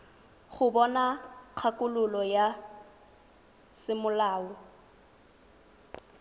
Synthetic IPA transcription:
χʊbɔnaq͡χʰakʼʊlʊlɔja | sɪmʊlaːɔ

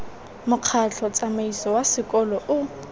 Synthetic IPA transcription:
mʊq͡χʰat͡ɬʰɔt͡sʼamaisɔwasɪkʼɔlɔʔʊ

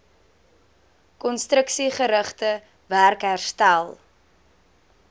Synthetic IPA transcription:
kɔnstrəksiχəɾəχtə | værkɦærstælˠ

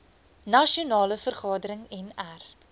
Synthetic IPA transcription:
nɐʃiunɑːləfərχɑːdəɾəŋɛnær

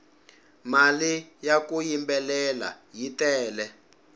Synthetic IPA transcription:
malijakujimbɛlɛla̰jitɛːlɛ

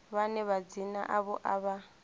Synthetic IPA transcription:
βanɛβad͡zina̰ʔaβɔʔaβa

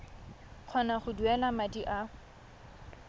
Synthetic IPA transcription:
q͡χʰɔnaχʊduɛlamadiʔa

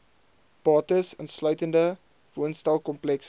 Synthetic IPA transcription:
pɑːtəsənslœɥtəndə | vuənstɛlˠkɔmplɛks

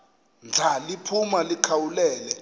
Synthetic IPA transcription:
nd͡ɮʱalipʰumalikʰawulɛːlɛ

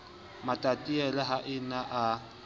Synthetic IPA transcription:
matʼatʼiɛlɛɦaʔɪnaʔa

